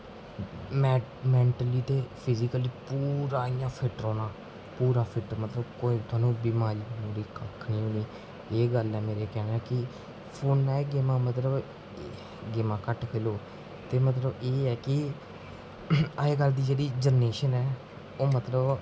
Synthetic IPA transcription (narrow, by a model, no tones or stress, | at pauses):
mmɛ̃ːɳʈəliːt̪eːpʰɪzɪkəliːpuːɾaːɪjãːpʰɪʈəɾɔːnaː | puːɾaːpʰɪʈəɾmət̪ləbkoːiːt̪ʊaːnũːbɪmaːɾiːmoːɾiːkəkʰnĩːɦõːniː | eːɡəlɛːmeːɾeːkɛːnaːkɪ | pʰoːnaːeɡeːmãːmət̪ləb | ɡeːmãːkəʈkʰeːloː | t̪eːmət̪ləbeːɛːkɪ | əeːɡəld̪iːd͡ʒeːɽiːd͡ʒəneːʃənɛː | oːmət̪ləb